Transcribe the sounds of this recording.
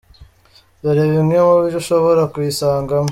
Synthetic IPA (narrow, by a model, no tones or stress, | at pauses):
βaɾeβimemuβiɾuʃoβoɾakujisaːŋɡam